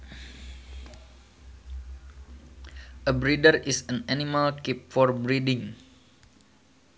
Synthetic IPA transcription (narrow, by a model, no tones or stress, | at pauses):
ʔəbɾidərisənanimalkip̚fɔrbɾidɪŋ